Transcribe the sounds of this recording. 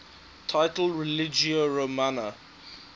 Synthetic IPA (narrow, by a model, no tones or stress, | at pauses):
tʰaɪtl̩ɹɛlɪd͡ʒiəɹomanə